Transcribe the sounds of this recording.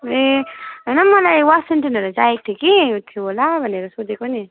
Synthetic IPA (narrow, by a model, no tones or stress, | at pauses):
eɦʌnʌmʌlajwasiɳʈʌnʌɾad͡zaek̚t̪ʰikiut̪ʰːibʱolabʱʌneɾʌsod͡zekoni